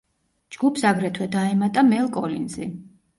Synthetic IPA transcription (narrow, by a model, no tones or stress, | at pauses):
d͡ʒɡupʰsaɡɾɛt̪ʰwɛd̪aɛmat̪ʼamɛlˠkʼɔlinzi